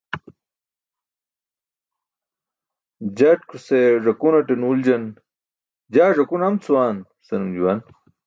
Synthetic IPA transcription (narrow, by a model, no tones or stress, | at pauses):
d͡ʑaʈkʰuseʐɐkunɐʈenuːld͡ʑɐn | d͡ʑaːʐɐkunɐmt͡sʰuwaːn | sɐnumd͡ʑuwan